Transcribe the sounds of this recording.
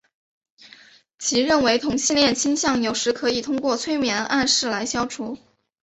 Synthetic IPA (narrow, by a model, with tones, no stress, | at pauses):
t͡ɕʰi˧˥ɻə˥˩nwe˧˥ɪt̪ʰʊ˧˥ŋɕi˥˧nljɛ˥˧nt͡ɕʰi˥nɕjɑ˥˩ŋjo˨˩ʊʂɻ̩˧˥kʰɤ˧˥i˨˩t̪ʰʊ˥ŋkwɔ˥˩t͡sʰwe˥ɪmjɛ˧˥nʔa˥˧nʂɻ̩˥˩la˧˥ɪɕjɑ˥ʊʈ͡ʂʰu˨˧˥